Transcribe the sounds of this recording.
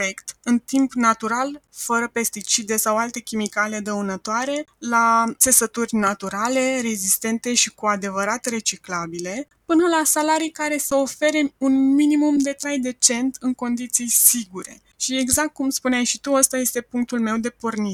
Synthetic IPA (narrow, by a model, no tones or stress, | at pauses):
ekt̪ɨnt̪impnat̪uɾalfəɾəpe̞st̪it͡ʃid̪e̞sawalt̪e̞kʲimikale̞d̪əunət̪oaɾe̞lat̪se̞sət̪urʲnat̪uɾale̞ɾe̞zist̪e̞nt̪e̞ʃikuad̪e̞vəɾat̪re̞t͡ʃiklabile̞ | pɨnəlasalaɾijkaɾe̞seo̞fe̞ɾe̞unminimumd̪e̞t̪ɾajd̪e̞t͡ʃe̞nt̪ɨŋko̞nd̪it̪sijsiɡuɾe̞̰ | ʃie̞ɡzak̚t̪̚kumspuneajʃit̪uəst̪aje̞st̪e̞puŋk̚t̪ulme̞wd̪e̞pornie